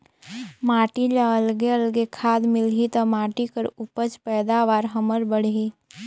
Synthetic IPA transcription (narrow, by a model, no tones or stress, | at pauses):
maːʈilaəlɡeəlɡekʰaːd̪mɪlɦit̪omaːʈikəɾʊpət͡ʃpɛːd̪aːʋaːɾɦəməɾbəɽ̤ɦiː